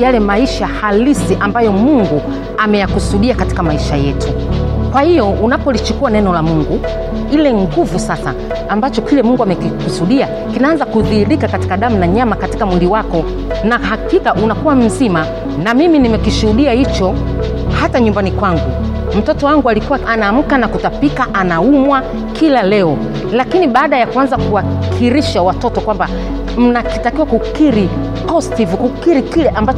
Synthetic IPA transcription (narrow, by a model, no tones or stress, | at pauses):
jalɛmaiʃahalisiʔambajɔmuŋɡu | amɛjakusuɗiakati̥kamaiʃajɛtukwahijɔunapɔlit͡ʃukuwanɛnɔlamuŋɡu | ilɛŋɡuvusasa̰ː | mbat͡ʃɔkilɛmuŋɡuamɛkikusuɗia | kinaanzakuðiːɾikakati̥kaɗam̩naɲamakati̥kamwiliwakɔ | naɦakikaʔunakuwam̩zima | namiminimɛkiʃuhuɗiahit͡ʃɔ | hataɲumbanikwaŋɡu | m̩tɔtɔwaŋɡualikuwaʔanaːm̩kanakutapikaʔanaumwa | kʰilalɛɔ | lakiniɓaːɗajakuanzakuwakʰiɾiʃawatɔtɔkwamba | m̩nakitakiwakukiɾi | ɔstivukukiɾikilɛʔambat͡ʃ